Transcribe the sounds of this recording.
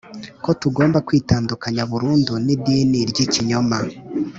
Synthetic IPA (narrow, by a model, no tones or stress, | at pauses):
ko̞tuɡo̞ːmbakwiːtaːndukaɲaβuɾuːndunidiːniɾɟiciɲoma